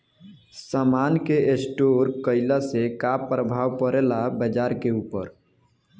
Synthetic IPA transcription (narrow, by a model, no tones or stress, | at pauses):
samaːnkeesʈoɾkəɪlasekapɾəbʱaːwpəɾelabəd͡ʒaːɾkeuːpə̰ɾ